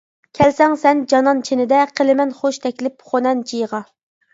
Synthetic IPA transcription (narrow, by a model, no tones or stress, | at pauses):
kʲʰɛlsɛŋsɛnd͡ʒɑnɑnt͡ʃʰenɪd̪ɛqʰəlɪmɛnχoʃt̪ʰɛkʲlɪpχonɛnd͡ʒʰijʁɑ